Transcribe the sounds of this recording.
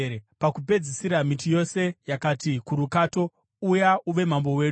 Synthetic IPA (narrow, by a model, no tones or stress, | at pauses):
epakupe̞d͡zisiɾamitijo̞se̞jakaːtikuɾukaːto̞ | ujauʋe̞m̤ambo̞we̞ːu